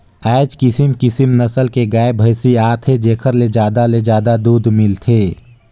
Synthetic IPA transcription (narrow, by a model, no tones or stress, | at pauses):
ɛːd͡ʒkɪsɪmkɪsəmnɐsəlkeɡaːebʱɐɪsiaːt̪ʰed͡ʒeːkʰəɾled͡ʒaːd̪aled͡ʒaːd̪ad̪uːd̪mɪlt̪ʰeː